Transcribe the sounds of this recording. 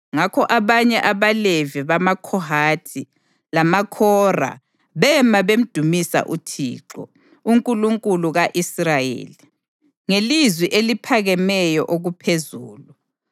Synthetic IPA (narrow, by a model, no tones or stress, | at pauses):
ŋakʰɔʔaβaɲɛʔaβaleviβamakʰɔɦaːtʰi | lamakʰɔra̰ | βɛmaβem̩d̥ʱumisa̰ʔṵtʰḭːǁɔ̰ | uŋkʼuluŋkʼuluɣaʔisrajḛːli | ŋelizwiʔelipʰaɣɛmɛjɔʔoɣupʰezuːlu